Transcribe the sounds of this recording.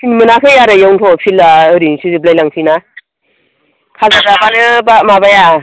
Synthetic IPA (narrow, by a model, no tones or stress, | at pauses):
pʰinimɯnakʰɯjaɾɯjawntʰɔpʰilaɯɾisizɯblajlaŋsʰina | kʰazazabanɯbamaβaja